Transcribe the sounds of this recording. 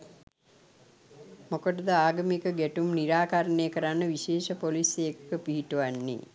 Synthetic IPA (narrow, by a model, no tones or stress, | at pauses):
mokəʈəd̪əaːɡɐmikəɡɛʈumniɾaːkaɾənejəkəɾanːəʋiʃeːʃəpolisejekkəpiɦiʈuʋanːḭ